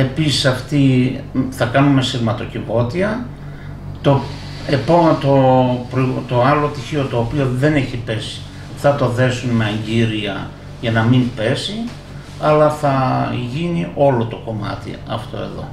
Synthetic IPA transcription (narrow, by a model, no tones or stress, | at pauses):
e̞pisi̥sɐft̪i | θɐkɐnume̞siɣmɐt̪o̞civo̞t̪iɐ | t̪o | epot̪opɾit̪o̞ɐlo̞t̪içio̞t̪o̞ːpio̞ðe̞ne̞çipe̞si̥ | θɐt̪o̞ðe̞sunme̞ɐɲɟiɾiɐ | ʝɐnɐmimpe̞si | ɐlɐθɐʝiniʔo̞lo̞t̪o̞ko̞mɐ̰t̪ḭɐ̰ft̪o̞̰e̞̰ðo̞̰